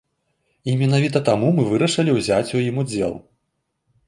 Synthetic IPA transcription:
imʲin̪avʲit̪ɐt̪amumɨvɨɾɐʂɐlʲiwzʲat͡sʲujimud͡zʲɛ̰lˠ

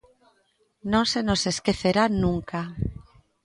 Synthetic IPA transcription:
nõnsenoseskeθeɾanũŋka

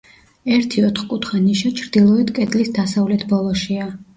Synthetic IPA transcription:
ɛɾt̪ʰiɔt̪ʰχkʼut̪ʰχaniʃat͡ʃʰɾd̪ilˠɔit̪kʼɛt̪ʼlisd̪asavlɛt̪ʰbɔlˠɔʃia

